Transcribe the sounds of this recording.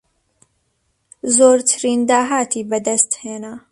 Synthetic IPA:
zoːɾt̪ʰɨɾiːnd̪aːɦaːt̪ʰiːbɨd̪ɐst̪heːna

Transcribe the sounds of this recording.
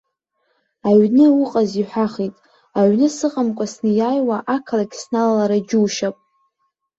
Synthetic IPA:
aɥnɨuqʼaziħʷᶣaχitʼ | aɥnɨsɨqʼamkʷʼasnɨjajwaʔakʰlaɡʲsnalalaɾad͡ʒʲuːʃapʼ

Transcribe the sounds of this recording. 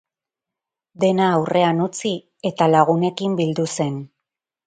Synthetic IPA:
d̪e̞naːwre̞anut͡si | e̞t̪alaɣ̞une̞kimbild̪use̞n

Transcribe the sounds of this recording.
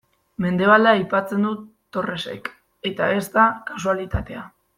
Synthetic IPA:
me̞nd̪e̞β̞ald̪aːjpat͡se̞nd̪u | t̪o̞re̞se̞̰k | e̞t̪aest̪akasualit̪at̪e̞a

